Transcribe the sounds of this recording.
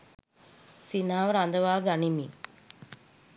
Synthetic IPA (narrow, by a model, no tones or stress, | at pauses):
sinaːʋɐɾand̪ɐʋaːɡaɳimḭ